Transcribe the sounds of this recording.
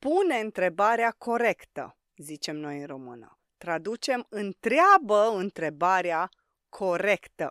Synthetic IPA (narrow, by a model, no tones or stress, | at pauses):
pune̞ɨnt̪ɾe̞baɾeakʰo̞ɾe̞kt̪ə̰ | zit͡ʃe̞mno̞jɨnro̞mɨ̰nə̰ | t̪ɾad̪ut͡ʃe̞mɨnt̪ɾeabəɨnt̪ɾe̞baɾea | kʰo̞ɾe̞kt̪ə